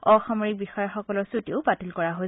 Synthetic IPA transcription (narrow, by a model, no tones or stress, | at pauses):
ɔxɔmɔɹik̚bixɔjɔxɔkɔlɔɹsutiʊbatilkɔɹaɦo